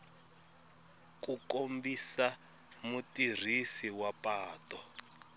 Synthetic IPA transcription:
kukombisa | mutir̤isiwapaːtɔ

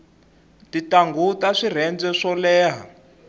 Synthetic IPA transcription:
titaŋɡutaʂir̤ɛnd͡zɛʂɔlɛːɦa̰

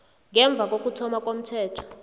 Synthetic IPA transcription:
ŋɛɱb̪vʱak̬ʼok̬ʼutʰɔmak̬ʼom̩tʰɛːtʰɔ̥

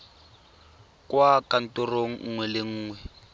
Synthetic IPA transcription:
kʼwakʼan̩tʼʊroŋ̩ŋ̩ŋwɛlɪŋ̩ːŋwɛ

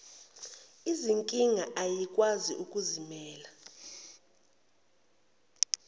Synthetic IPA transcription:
iziŋkʼiŋaʔajikʼwaziʔukʼuzimɛːla

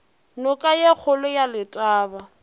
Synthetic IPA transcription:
nʊkʼajek͡xʰʊlʊjalɪtʼaːba

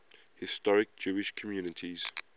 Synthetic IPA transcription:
hɪstɔɹɪk̚d͡ʒuːɪʃkʰɔmjuːnɪtʰiz̥

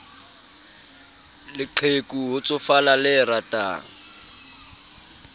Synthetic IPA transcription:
lɪǃʰekʼuɦʊt͡sʼʊfalalɪratʼa̰

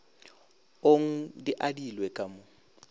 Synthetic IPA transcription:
oŋ̩diʔadilwɛkʼamo

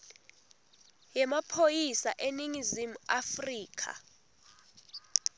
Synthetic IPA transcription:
jɛmapʰojisaʔeniŋizimuafriːkʰa̰

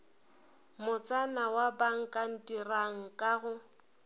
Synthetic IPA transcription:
mʊt͡sʼanawabaŋ̩kʼan̩tʼiraŋ̩kʼaɣʊ

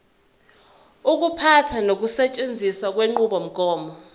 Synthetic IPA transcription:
uk̬upʰatʰanok̬usɛt͡ʃʼend͡zʱiswak̬weŋ͡ǃuɓɔm̩ɡ̥ʱɔːmɔ

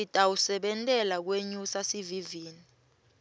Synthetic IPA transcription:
itʼawusɛɓɛntʼɛlak̬weɲusasiviviːni

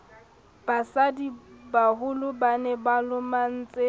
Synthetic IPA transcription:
b̥asadibahʊlʊbanɛbalʊman̩t͡sʼe

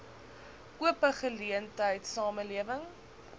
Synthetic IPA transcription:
uəpəχəliəntəjtsɑːməliəvəŋ

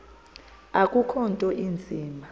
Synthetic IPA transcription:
akʼukʰɔntʼɔʔind͡zʱiːma

